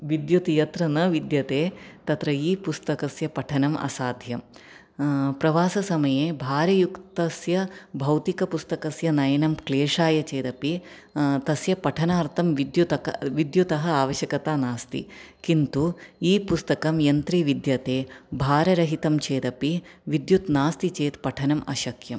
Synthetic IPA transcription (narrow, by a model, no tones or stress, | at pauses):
ʋid̪jut̪ijɐt̪ɾɐnɐʋid̪jɐt̪eːt̪ɐt̪ɾɐiːpust̪ɐkɐsjɐpɐʈʰɐnɐmʔɐ̰saːd̪ʱjɐm | pɾɐʋaːsɐsɐmɐjeːbʱaːɾɐjukt̪ɐsjɐbʱɐwt̪ikɐpust̪ɐkɐsjɐnɐjɐnɐmkleːʂaːjɐt͡ʃeːd̪ɐpi | t̪ɐsjɐpɐʈʰɐnaːɾt̪ʰɐmʋid̪jut̪ɐkɐʋid̪jut̪ɐɦɐaːʋɐʃjɐkɐt̪aːnaːst̪ḭ | kint̪uiːpust̪ɐkɐmjɐnt̪ɾiːʋid̪jɐt̪eːbʱaːɾɐɾɐɦit̪ɐmt͡ʃeːd̪ɐpiʋid̪jut̪naːst̪it͡ʃeːt̪pɐʈʰɐnɐmɐ̰ʃɐkjɐm